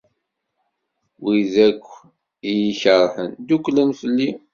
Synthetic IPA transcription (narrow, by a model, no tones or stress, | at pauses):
wiðækʷː | ijiçəɾˤħənd̪ukʷːlənfəlːi